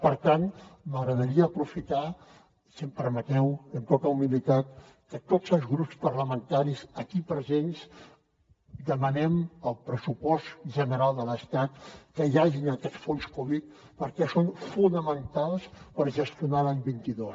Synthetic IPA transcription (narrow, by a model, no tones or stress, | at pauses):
pəɾt̪anməɣɾəðəɾiəːpɾufit̪a | simpəɾmət̪ɛwənt̪ot̪əumilit̪at̪̚ | kət̪ozəlˠzɣɾupspəɾləmənt̪aɾisəkipɾəzens | d̪əmənɛməlˠpɾəsupɔst̪ʒənəɾalˠd̪ələst̪at̪kəjaʒinəkɛt̪sfonskuβit̪ | pəɾkɛsonfunəmənt̪alˠspəɾʒəst̪iunalaɲbint̪iðos